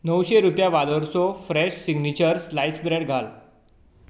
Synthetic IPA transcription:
nəwɕeɾupjaʋaləɾsɔfɾɛɕsiɡnit͡ɕəɾslajsbɾeɽɡʱal

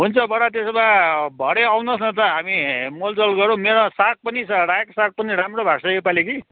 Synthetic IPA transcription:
ɦunt͡sʰʌbʱʌɽat̪̬esbãbʱʌɽeawnʌsnʌt̪ʌɦamimold͡zʌlɡʌɾõmeɾosak̚pʌnisʌɾaeksak̚pʌniɾamrobʱaɡsʌepaliki

